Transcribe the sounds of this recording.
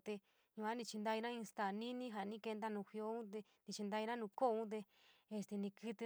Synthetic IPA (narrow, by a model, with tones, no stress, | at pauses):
t̪e˧ | ɲũ˧a˦nĩ˧t͡ʃi˧nd̪a˧i˧nã˦ĩ˧st̪a˨nĩ˦nĩ˦ɦa˨nĩ˦ke˧nd̪a˦nũ˧˨hjo˧˦ũ˦t̪̬e˧ | nĩ˧t͡ʃi˧nd̪a˧i˧nã˦nũ˧ko˦˧ũ˦t̪̬e˧ | e˧st̪e˧nĩ˧kɨ˧t̪i˧